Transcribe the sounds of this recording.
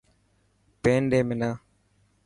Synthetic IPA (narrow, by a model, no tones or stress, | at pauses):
peːnɖeːmɪnaː